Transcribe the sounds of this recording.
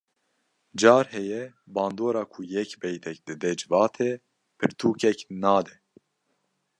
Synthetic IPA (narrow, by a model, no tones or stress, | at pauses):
d͡ʒɑːɾhɛjɛ | bɑːnd̪oːɾɑːkʰujɛkbɛjt̪ʰɛk̚d̪ɨd̪ɛd͡ʒɨvɑːt̪ʰɛ | pʰɨɾt̪ʰuːkʰɛknɑːd̪ɛ